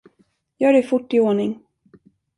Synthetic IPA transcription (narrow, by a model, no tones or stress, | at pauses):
jœːɾɛfʊʈːɪoːɳɪŋ